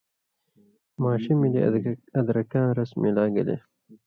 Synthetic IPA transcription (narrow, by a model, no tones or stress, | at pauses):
maːɕimiliɐd̪ɾɐkãːɾɐsmilaːɡɐ̰lḛ